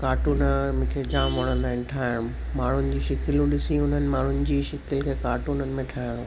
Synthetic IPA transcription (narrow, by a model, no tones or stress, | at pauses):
kaːʈuːnəmʊ̃ːkʰed͡ʑaːmʋɐɽ̃ə̃nd̪aːɪn̆ʈʰaːɪɽ̃ũ | maːɳ̤ʊnɪ̆d͡ʑiːʃɪkɪlũɗɪsĩʊn̤ənɪ̆maːɳ̤ʊnɪ̆d͡ʑiːʃɪkɪlkʰekaːʈunənɪ̆mẽʈʰaːɪɽ̃ũ